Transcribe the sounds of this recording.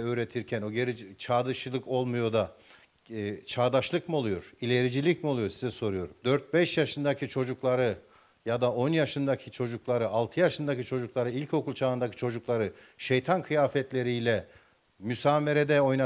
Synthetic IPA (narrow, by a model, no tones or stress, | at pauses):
øːɾet̪ʰiɾcʰæno̞ɟeɾit͡ʃʰaːd̪ɯʃɯlˠɯko̞lˠmujo̞d̪a | t͡ʃʰaːd̪aʃlˠɯkmio̞lˠujo̞ɾ̥ilʲe̞ɾid͡ʒilʲicmio̞lˠujoɾsizɛso̞ɾujo̞ɾumd̪øɾt̪̚bɛʃjaʃɯnd̪acʰit͡ʃʰo̞d͡ʒuklˠaɾɯ | jad̪aʔo̞njaʃɯnd̪acʰit͡ʃʰo̞d͡ʒuklˠaɾɯalˠt̪ʰɯjaʃɯnd̪acit͡ʃʰo̞d͡ʒuklˠaɾɯilʲcʰo̞kʰulˠt͡ʃʰaːɯnd̪acʰi̥t͡ʃʰo̞d͡ʒuklˠaɾɯ | ʃejt̪ʰankʰɯjaːfɛt̪lʲe̞ɾijlʲɛ | mysaːme̞ɾed̪ɛo̞jna